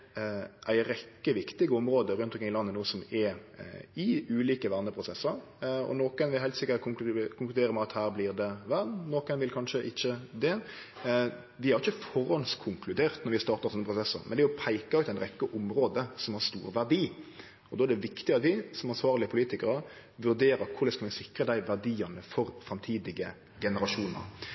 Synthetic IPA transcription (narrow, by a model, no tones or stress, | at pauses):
ʔæɪɾɛkːəʋɪkt̪ɪɡəɔmɾoːd̪əɾʉnt̪ɔkɾɪŋɪlɑnːənuːəsɔmɛ | ɪʉːliːkəʋæʁnəpʰɾʊsɛsːəɾ | ɔ̰noːkənʋɪhæɪt̪sɪkːəɾkʰʊŋklʉd̪eːɾəmɛɑt̪hæːɾblɪɾd̪ɛʋæɾd̪noːkənʋɪlkʰɑnʂəʔɪçːəd̪ɛ | ʋɪhɑɾɪçəfɔɾɔnskʰʊŋkʰlʉd̪eːʁt̪nɔɾʋɪst̪ɑːɾt̪ɑɾsɔnːəpʰɾʊsɛsːə̰ɾmɛnd̪ɛʊpʰæɪkɑʉːt̪æɪnɾɛkːəʔʊmɾoːd̪əsɔmhɑɾst̪ṵːɾʋæʁd̪iː | ɔd̪oːæd̪ɛʋɪkt̪ɪɑt̪ʋɪsɔmɑnsʋɑːʁlɪəpʰʊliːt̪ɪkəɾə | ʋʉɾd̪eːɾəkʰʊɾləskɑlmɛsɪkɾəd̪æɪʋæʁd̪iːɑnəfɔɾfɾɑmt̪ʰiːd̪ɪɡə | ɡɛnəɾɑʂuːnə̰ɾ